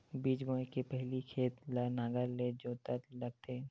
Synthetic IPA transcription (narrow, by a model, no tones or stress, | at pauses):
biːd͡ʒbəːkepɛɦlikʰeːt̪lanaːɡəɾled͡ʒoːt̪əɾlɐɡ̚t̪ʰe